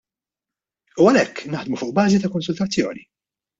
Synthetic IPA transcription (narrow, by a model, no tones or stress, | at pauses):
uɐlɛkːnɐħd̪mufʊʔbɐːzit̪ɐkɔnsʊlt̪ɐt͡sːjɔːni